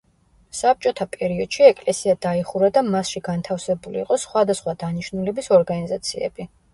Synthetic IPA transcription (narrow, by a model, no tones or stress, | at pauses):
sap̚t͡ʃʼɔt̪ʰapʼɛɾiɔd̪̥ʃiɛkʼlɛsiad̪aiχuɾad̪amasʃiɡant̪ʰafsɛbulḭːqʼɔsχwad̪asχwad̪aniʃnulɛbisɔɾɡanizat̪sʰiɛ̰b̥i